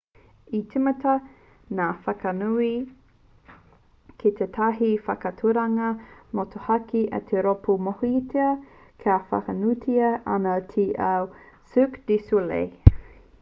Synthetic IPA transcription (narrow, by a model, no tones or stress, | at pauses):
itʰimɐtɐ | naːfɐkɐnui | kʰet̪ʰet̪ʰɐɦifɐkɐtʰuɾɐŋɐmot̪ʰohɐkiʔɐ̰t̪ʰeɾopumohoitʰeɐ | kʰeafɐ̰kɐnutʰiɐʔɐnɐtʰiʔɐw | sʉkd̥isulḛj